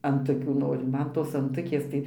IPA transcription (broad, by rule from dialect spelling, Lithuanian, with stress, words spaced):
ɐnˈtʊkʲuː ˈnoːrʲʊ ˈmɐn ˈtoːs ɐnˈtʊkʲeːs tɐɪ